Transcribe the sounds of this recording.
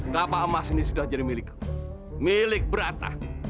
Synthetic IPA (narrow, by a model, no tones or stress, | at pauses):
kapaəmasinisudahd͡ʒadimilɪk | milɪk̚bəɾat̪a̰